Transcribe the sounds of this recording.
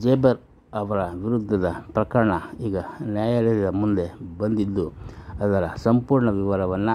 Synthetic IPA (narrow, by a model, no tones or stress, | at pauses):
d͡ʒeːbɐɾ | ɐʋɐɾɐʋiɾud̪ʱːɐd̪ɐpɾɐkɐɾɐɳɐiːɡɐnjaːjɐleɾid̪ɐmund̪e̞bɐnd̪id̪ːuɐd̪ɐɾɐsɐmpuːɾɳɐʋiʋaːɾɐʋɐnːu